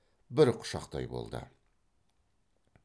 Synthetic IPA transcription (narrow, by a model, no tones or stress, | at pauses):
bɪɾqʰʊ̥ʃɑqt̪ɑ̰jbo̞̰lˠd̪ə̰